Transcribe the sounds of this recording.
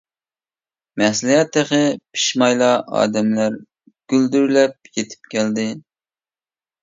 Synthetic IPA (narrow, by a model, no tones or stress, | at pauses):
mɛslijɛt̪ːɪχɪpʰi̥ʃmɑjlˠɑɑ̰ːd̪ɛmlæɾ | ɡ̥ʲyld̪yɾlɛp̚jet̪ʰɪ̥pkʲʰɛld̪ɪ